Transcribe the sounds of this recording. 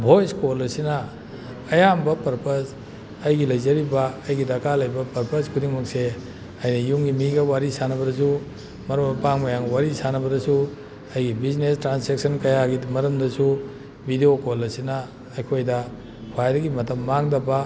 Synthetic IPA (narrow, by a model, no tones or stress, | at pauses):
bʱojskolɐsinɐ | ɐjambɐpɐɾpɐs | ɐjɡilɐjzɐɾibɐːjɡidɐkalɐjbɐpɐɾpɐskʰudiŋmɐk̚se | ɐjnɐjumɡimiɡɐwaɾisanɐbɐdɐs̬u | mɐɾɐmbɐpaŋmɐjaŋwaɾisanɐbɐdɐsu | ɐjɡibiznestɾansek̚sɐnkɐjaɡimɐɾɐmdɐsu | bʱideokolɐsinɐː | jkʰojdɐ | kʰajɾɐɡimɐtʰɐmːaŋdɐbɐ